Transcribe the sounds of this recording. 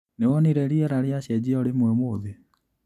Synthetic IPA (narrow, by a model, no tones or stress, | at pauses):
neɔniɾɛɾiɛɾaɾeaɕɛd͡ʑiɔɾemwɛmoðe